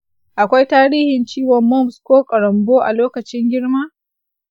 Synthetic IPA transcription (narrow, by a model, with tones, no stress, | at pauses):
ʔa˨kʷa˦jtaː˦ɾiː˦hɪ˨nt͡ʃiː˦wɔ˨mːɔ˦mskʷoː˦kʼɐ˨ɾɐ˨mboː˦ʔa̰˨loː˦kɐ˨t͡ʃɪ˦ŋɡʲɪ˦ɽma˦